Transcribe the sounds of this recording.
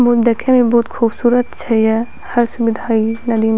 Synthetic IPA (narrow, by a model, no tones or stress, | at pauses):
mʊd̪ɐkʰemẽbɔːt̪xʰuːbsuːɾət̪t͡ʃʰɛjɛ | hɐɾsʊbɪd̪ʱaːinɐd̪im